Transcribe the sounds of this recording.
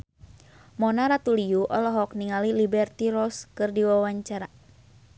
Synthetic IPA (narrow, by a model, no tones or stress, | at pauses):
mɔnaɾat̪ulijuʔɔlɔɦɔk̚niŋalilibɛrt̪iɾɔskɨrdiwawaɲt͡ʃaɾa